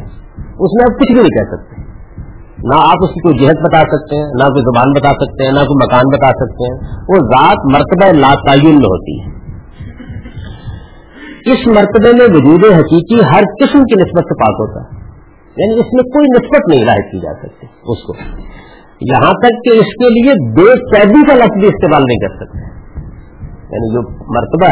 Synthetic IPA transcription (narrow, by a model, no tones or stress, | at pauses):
ʊsmẽɐb̚kʊt͡ʃʰbʱinɐ̃ɦĩkɛɦsɐk̚t̪ẽ | naaːpʊskikoːid͡ʒɪɦət̪̚bɐt̪aːsɐk̚t̪eɦɛ̃nakoːizʊbaːnbɐt̪asɐk̚t̪eɦɛ̃nɐkoːimɐkaːnbɐt̪asɐk̚t̪eɦɛ̃ːʋozaːt̪mɐɾt̪əbaelaːt̪aːjʊnmẽɦo̰ːt̪ḭɦɛ̰ː | ɪsmɐɾt̪əbemẽʋʊd͡ʒuːd̪eɦɐkiːkiɦɐɾkɪsmkinɪsbət̪sepaːkɦo̰ːt̪a̰ɦɛ | jaːnĩɪsmẽkoːinɪsbət̪nɐɦĩlaːɦɪt̪̚kid͡ʒa̰ːsɐk̚t̪iɦɛʊsko̰ | jɐɦãt̪ɐkːeɪskeliebeːkɛːd̪ikalɐfbiɪst̪eːmaːlnɐɦĩkɐɾsɐk̚t̪eɦɛ̃ | ja̰ːnid͡ʒoːmɐɾt̪əba